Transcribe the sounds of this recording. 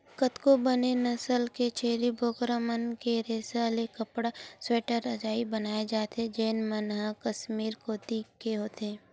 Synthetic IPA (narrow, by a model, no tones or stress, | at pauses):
kət̪kobənenɐsəlket͡ʃʰeːɾibʱoːkɾəmənkeɾeːsəlekəpɽasweːʈəɾəd͡ʒaːibənaːed͡ʒaːt̪ed͡ʒeːnmənɦãkəsmiːɾkoːt̪ikkeɦoːt̪eː